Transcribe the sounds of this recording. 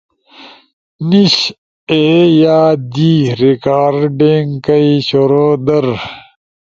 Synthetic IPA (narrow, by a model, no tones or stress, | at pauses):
niɕ | ejaːd̪iɾikaːɾɖeːŋɡkɐiɕoɾoːd̪ɐɾ